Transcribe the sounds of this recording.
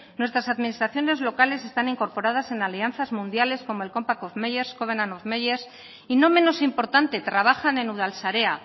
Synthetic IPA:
nwe̞st̪ɾasaðminist̪ɾaθjo̞ne̞zlo̞kale̞se̞st̪aniŋko̞ɾpo̞ɾað̞ase̞nalianθazmũnd̪jale̞sko̞mo̞e̞lko̞mpakofmejeɾsko̞βenanofmejeɾs | ino̞mẽ̞no̞simpo̞ɾt̪ant̪e̞t̪ɾaβ̞axane̞nuðalsaɾe̞a

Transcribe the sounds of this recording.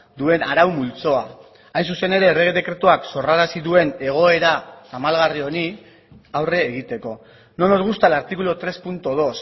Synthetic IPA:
d̪ue̞naɾawmult͡so̞a | ajnsuse̞ne̞ɾe̞ːreɣeðe̞kɾe̞t̪uakso̞raɾasiðue̞ne̞ɣ̞o̞e̞ɾaːmalɣario̞ni | awre̞ːɣ̞it̪e̞ko̞ | no̞noɾɣust̪alaɾt̪ikulot̪ɾe̞spunt̪oð̞o̞s

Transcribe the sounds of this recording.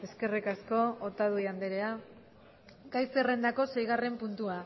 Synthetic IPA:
e̞ske̞rikasko̞ːt̪aðujand̪eɾea | kajsere̞nd̪ako̞se̞jɣ̞are̞mpunt̪ua

